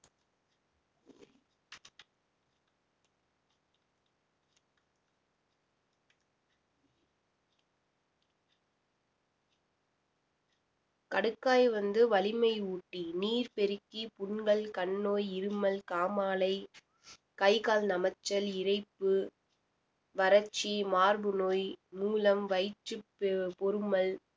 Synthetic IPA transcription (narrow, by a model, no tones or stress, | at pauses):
kɐɽɯkːaːjʋɐnd̪ɯʋɐlɪmɐɪuːʈːiniːɾpɛɾɯkːipʊɳɡɐɭkɐɳːoːjɪɾɯmɐlkaːmaːlɐɪ | kɐɪkaːlnɐmɐt͡ʃːɐlɪɾɐɪpːɯ | ʋɐɾɐt͡ʃːimaːɾbɯnoːjmuːlɐmʋɐɪt͡ʃːɯppɔɾɯmɐl